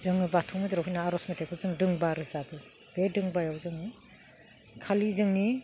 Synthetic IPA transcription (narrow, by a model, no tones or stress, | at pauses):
zɯŋɯbatʰɔmɯdɯɾaɦujnaːɾɔsmetʰek̚bɯzɯŋdɯŋbaɾɯzadu | ɡedɯŋbajawzɯŋi | kʰalizɯŋni